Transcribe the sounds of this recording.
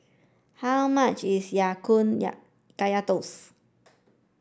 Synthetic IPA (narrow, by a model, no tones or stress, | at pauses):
hamãʔt͡ʃisjakunja̰ʔ | kajat̪os